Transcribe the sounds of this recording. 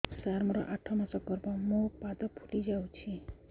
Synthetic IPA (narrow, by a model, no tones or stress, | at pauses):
saɾmɔɾɔ̰ʔaʈʰːɔmasɔkɔɾpɔ̃mũpad̪ɔpʰu̥ʈid͡ʒaw̃t͡ʃʰi